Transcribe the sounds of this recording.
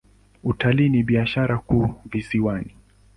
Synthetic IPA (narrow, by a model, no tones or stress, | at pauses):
utaliːniɓiaʃaɾakuːvisiwani